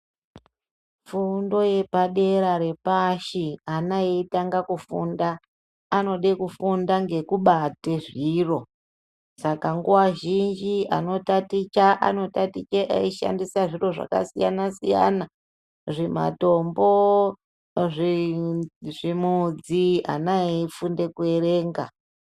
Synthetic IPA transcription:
fundo̞je̞paɗe̞ɾaɾe̞paʃianajeitaŋɡakufundaː | no̞ɗekufundaŋɡe̞kuɓateʐiːro̞ | sakaŋɡuwaʒind͡ʒiʔa̰no̞tatit͡ʃaʔa̰no̞tatit͡ʃeʔa̰iʃa̰ndisaʐiro̞ʐa̰ka̰sija̰nasija̰na | ʐema̰to̞mbo̞ | ʐ | ʐimud͡zia̰naeifunde̞kue̞reːŋɡa̰

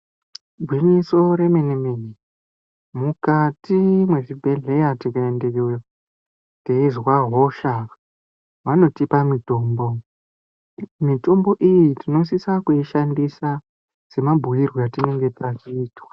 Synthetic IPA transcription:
bʱwiɲiso̞ɾe̞menemeni | mukatimwe̞ʐibʱe̞ɮe̞jatikaende̞kewea | teizwaɦoʃa | ʋano̞tipamito̞ːmbo̞ | mito̞mbo̞ʔijitino̞s̬isakuiʃandisa | se̞mabʱujirwojatine̞ŋɡe̞tat͡ʃiːtwḁ

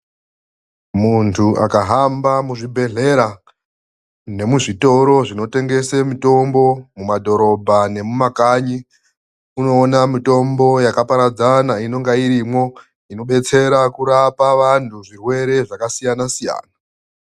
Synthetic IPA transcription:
muntʰuʔa̰kaɦambamuʐibʱe̞ɮe̞ɾa | ne̞muʐito̞ɾo̞ʐino̞te̞ŋɡe̞semito̞mbo̞mumadʱo̞ɾo̞bʱane̞mumakaːɲi | uno̞ːnamito̞mbo̞jakapaɾad͡zanaino̞ŋɡaiɾimwo̞ | ino̞ɓe̞t͡se̞ɾakuɾapaʋantʰuʐirwe̞ɾe̞ʐakasijanasija̰ːna

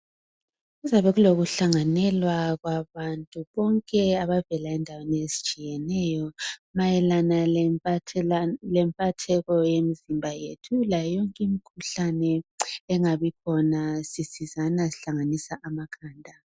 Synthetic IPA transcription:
ɣuzaβɛɣuloɣuɬaŋanɛlwaɣwaβantʼuβɔŋkʼɛaβavɛlaɛndʱaweniesi̥t͡ʃʼijɛnɛjɔmajɛlana | lɛmpʼatʰɛɣɔjemizimbʱajḛtʰulajɔŋkʼimikʰuɬanɛɛŋaβikʰɔnasisizanasiɬaŋanisaʔamakʰaːndʱa

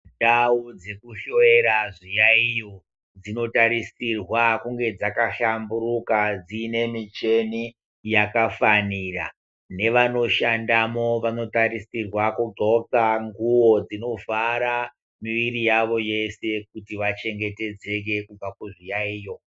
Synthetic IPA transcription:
daud͡ze̞kuʃo̞e̞ɾaʐijaijo | d͡zino̞taɾisirwakuŋɡe̞d͡zakaɬamburukad͡ziːne̞mit͡ʃe̞ni | jakafanira̰ | ne̞ʋano̞ʃandamo̞ʋano̞tarisirwakuɡʱot͡saŋɡuwo̞d͡zino̞vaɾa | miʋiɾijaʋo̞je̞se̞kutiʋat͡ʃe̞ŋɡe̞te̞d͡ze̞k̬e̞kub͡vakuʐijaiːjo̞

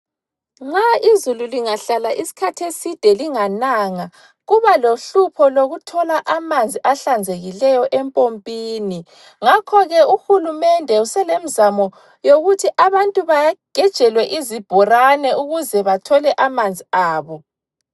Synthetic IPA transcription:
ŋ͡ǁaizululiŋaɬalaʔisi̥kʰatʰesid̥ʱɛliŋanaŋa | ɣuβaloɬupʰɔloɣutʰɔlaʔamand͡zʱiʔaɬand͡zʱeɣilɛjɔʔɛmpʼompʼiːni | ŋakʰɔɣɛuxulumɛndʱɛusɛlemizamɔ | joɣutʰiʔaβantʼuβajaɡ̥ʱɛd̥ʒ̥ʱɛlwɛʔizib̥ʱɔranɛuɣuzɛβatʰɔlɛʔamand͡zʱiaːβɔ

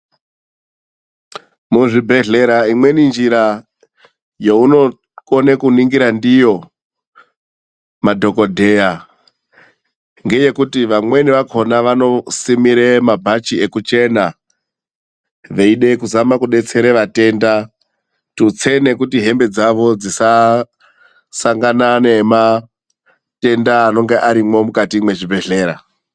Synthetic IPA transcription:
muʐibʱe̞ɮeɾaimwe̞nind͡ʒiɾa | jeuno̞ | konekuniŋɡiɾandijo̞ | madʱo̞ko̞dʱe̞ja | ŋɡe̞je̞kutiʋamwe̞niʋakʰo̞naʋano̞simiɾemabʱat͡ʃie̞kut͡ʃe̞na | ʋe̞iɗe̞kuzamakuɗe̞t͡se̞ɾe̞ʋate̞ːnda | tut͡se̞ne̞kutiɦe̞mbe̞d͡zaʋo̞d͡zisa | saŋɡanane̞ma | te̞ndaːno̞ŋɡe̞ʔaɾimo̞mukatimwe̞ʐibʱe̞ɮe̞ːɾa̰

